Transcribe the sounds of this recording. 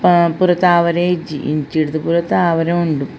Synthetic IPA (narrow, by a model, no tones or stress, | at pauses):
puɾɐt̪ːaːʋɐɾed͡ʑiʔḭnt͡ɕiɽt̪ɨpuɾɐt̪ːaːʋɐɾɐmuɳɖu